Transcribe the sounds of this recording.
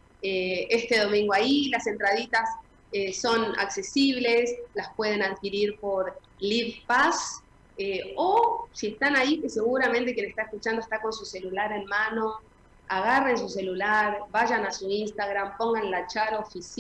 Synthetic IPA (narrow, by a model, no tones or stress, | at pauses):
eest̪eð̞o̞mĩŋɡoailase̞nt̪ɾað̞it̪as | eːo̞na̰kse̞siβ̞le̞slaspwe̞ð̞e̞naðkiɾiɾpo̞ɾ | liβpas | eosie̞st̪anaikese̞ɣuɾament̪ekje̞nest̪aeskut͡ʃand̪oest̪ako̞nsuse̞lulaɾenmãno̞ | aɣare̞nsuse̞lulaɾbaʒanasuinst̪aɣɾampo̞ŋɡanlat͡ʃaɾofis